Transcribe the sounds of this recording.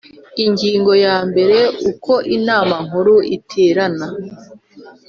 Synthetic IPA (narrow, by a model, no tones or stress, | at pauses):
iɲɟiːŋɡo̞jaːmbe̞ɾe̞ukʰo̞ʔinaːmaŋ̥uɾuʔitʰeːɾana